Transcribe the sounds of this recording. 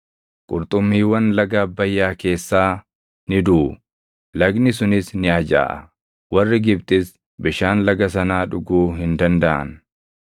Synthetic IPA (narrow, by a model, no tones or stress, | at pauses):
kʼʊɾt̪ʼʊmːiːwɐnlɐɡɐːbːɐjːaːke̞ːsːaː | nɪd̪u | lɐɡnɪs̬ʊnɪsnɪɐd͡ʒa̰ːʔɐ̰ | wɐrːɪɡɪbt̪ʼɪs | bɪʃaːnlɐɡɐs̬ɐnaːᶑʊɡuːɦɪnd̪ɐnd̪ɐʔɐ̰n